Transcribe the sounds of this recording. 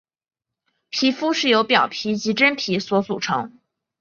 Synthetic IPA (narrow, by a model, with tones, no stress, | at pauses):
pʰi˧˥fu˥ʂɻ̩˥˩jo˧˥ʊpjɑ˨˩ʊpʰi˧˥t͡ɕi˧˥ʈ͡ʂə˥npʰi˧˥swɔ˧˥t͡su˨˩ʈ͡ʂʰɤ̰˧˥ŋ